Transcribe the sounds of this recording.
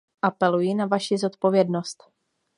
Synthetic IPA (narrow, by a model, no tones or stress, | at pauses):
ʔapɛlujɪnavaʃɪzo̞t̪po̞vjɛdno̞st̪